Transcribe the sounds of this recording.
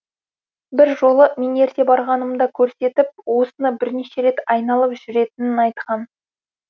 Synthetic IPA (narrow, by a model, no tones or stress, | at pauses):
bɪɾʒo̞lˠəmʲene̞ɾt̪e̞bɑɾʁɑnəmd̪ɑkʲʰɵɾse̞t̪ɪp̚wo̞sənɑbɪɾneʃe̞ɾe̞t̪ɑjnɑlˠəpʒʏɾe̞t̪ɪnɪnɑjt̪qɑn